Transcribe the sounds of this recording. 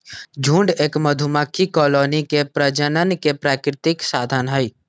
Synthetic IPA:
d͡ʒʱũːɳɖeːkməd̪ʱumakʰikɔːloːnikepɾəd͡ʒənənkepɾaːkɾɪt̪ɪksaːd̪ʱənɦəiː

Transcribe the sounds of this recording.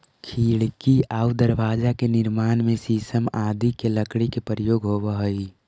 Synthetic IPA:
kʰiːɽkiaːud̪əɾbaːd͡ʒakenɪɾmaːnmesiːsəmaːd̪ikeləkɽikepəɾəjoːɡɦobəɦəi

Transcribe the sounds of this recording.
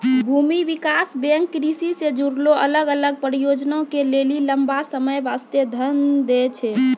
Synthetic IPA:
bʱumiʋikasbeŋkːɾisised͡ʒuɾloʔələɡələɡ̚pɾijod͡ʒnaokeleliləmbasəməjʋast̪ed̪ʱənd̪et͡ʃʰɛ

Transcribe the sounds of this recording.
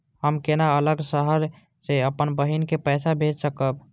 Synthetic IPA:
ɦəmkenaələɡsəɦəɾ | seəpənbəɦinkepəɪsabʱed͡ʒsəkəb

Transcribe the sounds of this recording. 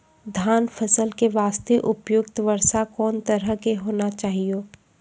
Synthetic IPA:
d̪ʱjaːnfʰəsəlkeʋaːst̪eʔʊpjʊkt̪ʋɐɾsakɔːnt̪əɾəkeɦoːnat͡ʃaːɦioː

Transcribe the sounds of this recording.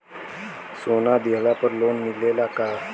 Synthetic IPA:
sonad̪eɦlapəɾlonmilelaka

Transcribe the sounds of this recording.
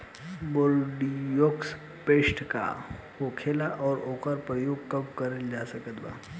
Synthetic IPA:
boɾɖijoːks | peːsʈʰka̰ | hoːkʰeːlaʔɔːɾoːkəɾpɾəjoːɡ̚kɐbkɐɾeld͡ʒaːsɐkət̪ba̰ː

